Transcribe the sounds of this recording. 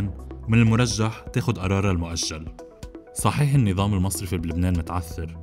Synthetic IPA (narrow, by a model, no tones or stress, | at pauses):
nmɪnɪlmʊɾˤɑʒːaħt̪eːxʊd̪ʔɑɾˤɑːɾˤɑlmʊʔaʃːal | sˤɑħiːħɪnːɨðˤɑːmɪlmɑsˤɾɪfiblɪbneːnmʊt̪ʕaθːɪɾ